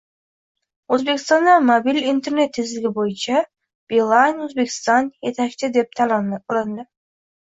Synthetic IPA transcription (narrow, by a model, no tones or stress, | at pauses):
øzbekʲist̪ɑnd̪ɑmobʲilʲint̪e̞rne̞t̪ʰːizɪlɡʲibojunt͡ʃɑ | b̥ilˠɑnøzbe̞kʲɪ̥st̪ɑnjet̪ʰækt̪ɪd̪ep̚t̪lˠɑnd̪ə